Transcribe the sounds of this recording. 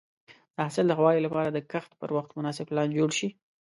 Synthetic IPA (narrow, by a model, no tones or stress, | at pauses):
d̪̥əasɪld̪əxwɑjelapɑɾad̪əkaxt̪pə̰ɾwaxt̪mʊnɑsɪblɑnd͡ʒoɽʃi